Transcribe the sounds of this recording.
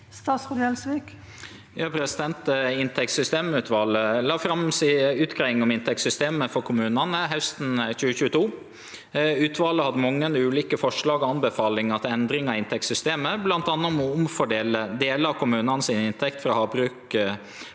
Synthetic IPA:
st̪ɑːsʁʊd̪ɛlsʋik | jɑːpʰɾɛsɪd̪ɛnt̪ɪnt̪ʰɛkt̪sʏst̪eːmʉːt̪ʋɑːləlɑːfɾɑmsiʉːt̪kʰɾɛŋːɔmɪnt̪ʰɛk̚sʏst̪eːməfɔɾkʰʊmʉːnɑnəɦæst̪n̩çʉːəçʉːət̪ʰuː | ʉːt̪ʋɑːləhɑd̪əmɑŋːənʉːliːkəfɔʂɭɑːɡɔɑnbəfɑːlɪŋɑt̪ɛnd̪ɾɪŋɑɪnt̪ʰɛk̚t̪sʏst̪eːməblɑnt̪ɑnːəmɔʊmfɔɖeːləd̪eːləɑkʰʊmʉːnɑnəsinɪnt̪ʰɛkt̪fɾɑːhɑːbɾʉːk

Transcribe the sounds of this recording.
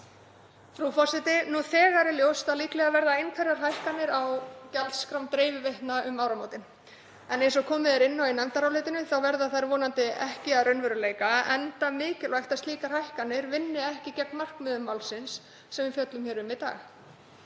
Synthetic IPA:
fɾufɔr̥sɪt̪ɪnuθɛːɣaɾɪljowst̪aðliːklɛɣavɛɾðaejnkʰvɛɾaɾ̥ɦajhkanːɪɾawcalt̪skɾawmt̪ɾeːjvɪveht̪naʔʏmawɾanoːwt̪ɪn | ɛnejns̬ɔɣkʰɔːmɪðɛɾɪnːawinɛmt̪aɾawlɪt̪ɪnʏθawvɛɾðaθajɾvɔːnant̪ɪɛhcɪaðrœɥnvɛɾʏleːjkaɛnt̪amɪːcɪlajxt̪ast̪liːkar̥hajhkanːɪɾvɪnːɪɛhcɪcɛknmar̥kmʏːðʏmːawlsɪnsː | ɛmvɪfjœt̪lʏmçɛːɾʏmvɪt̪a̰ːɣ

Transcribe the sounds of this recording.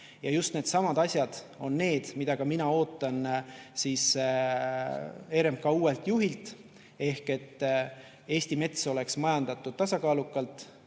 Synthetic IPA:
jɑjust̪ne̞ːd̪̥sɑmɑd̪ɑsʲjɑd̪̥ | o̞nːe̞ːd̪̥mid̪̥ɑkɑminɑo̞ːt̪ˑːɑnsiːs | e̞ːɾemkɑuːe̞lt̪juɦilt̪ˑ | e̞hke̞t̪ː | e̞ːsʲt̪ime̞t̪so̞le̞ksmɑjɑnd̪̥ɑt̪ːˑud̪̥̚t̪ɑsɑkɑːlukːˑɑlt̪ˑ

